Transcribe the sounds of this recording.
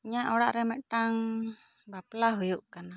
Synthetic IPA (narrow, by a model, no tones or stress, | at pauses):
ɲaʔɔɽaʔɾɛmɛʔʈaŋ | baplaɦujuʔkana